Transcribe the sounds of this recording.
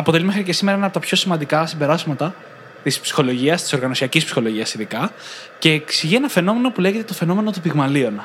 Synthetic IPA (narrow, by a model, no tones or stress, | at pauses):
ɐpot̪e̞limxɾice̞sime̞ɾɐenɐpot̪ɐpço̞simɐnd̪ikɐsimbe̞ɾɐzmɐt̪ɐ | t̪ispsi̥xo̞lo̞ʝiɐst̪i̥so̞ɾɣɐno̞siɐcispsixo̞lo̞ʝiɐsiðikɐce̞ːksiʝie̞nɐfe̞no̞me̞no̞pule̞ʝe̞t̪e̞t̪ofe̞no̞me̞no̞t̪upiɣmɐlio̞nɐ